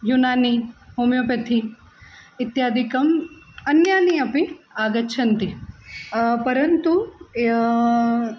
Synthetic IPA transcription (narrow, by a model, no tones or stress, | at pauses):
junaːniɦomjopɐt̪ʰi | ɪt̪jaːd̪ʱikɐm | ɐnjaːniɐpiaːɡɐtːʃʰɐnt̪i | pɐɾɐnt̪u